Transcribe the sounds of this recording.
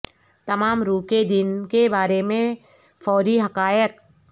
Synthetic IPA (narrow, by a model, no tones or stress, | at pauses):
t̪ɐmaːmɾuːked̪ɪnkebaːɾemẽ | fɔːɾiɦɐkaːjək̚